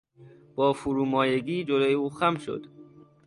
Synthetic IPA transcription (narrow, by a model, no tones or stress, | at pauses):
b̥ɒːfuɾuːmɒːjeɡiːd͡ʒoloːjeuːxæmʃo̰d̪